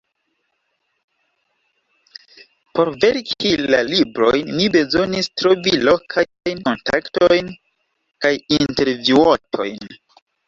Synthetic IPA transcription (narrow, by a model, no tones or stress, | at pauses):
po̞ɾve̞ɾkʰilalibɾo̞jnːibe̞zo̞nistɾo̞vilo̞kʰa | jnko̞nta̰kto̞jn | kajinte̞ɾvuotʰo̞̰jn